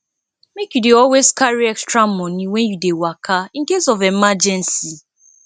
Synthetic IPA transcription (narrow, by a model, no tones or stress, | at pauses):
mekjudeɔlwezkaɹiɛkstɹamɔniwɛ̃njudewakʰaĩn̩kesɔvemad͡ʒɛ̃nsi